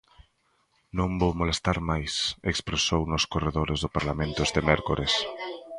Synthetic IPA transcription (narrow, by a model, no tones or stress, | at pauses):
nõmbowmolest̪aɾmajsekspɾesownʊskoreðoɾezðʊpaɾlamẽnt̪ʊɛst̪emɛɾkoɾes